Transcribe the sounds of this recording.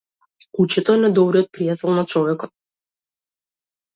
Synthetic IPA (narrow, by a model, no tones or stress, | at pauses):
kut͡ʃɛt̪ɔɛnɛd̪ɔbɾiɔt̪̚pɾijat̪ɛlˠnat͡ʃɔvɛkɔt̪̚